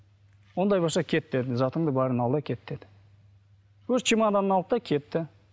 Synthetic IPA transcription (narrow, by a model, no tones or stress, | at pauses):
wo̞nd̪ɑjbosɑkʲʰe̞t̪ːe̞d̪ɪzɑt̪əɴd̪əbɑɾənɑlˠɑkʲʰe̞t̪ːe̞d̪ɪ̥ | wɵzt͡ʃʰimɑnd̪ɑnənɑlˠəp̚t̪ɑkʲʰe̞t̪ːɪ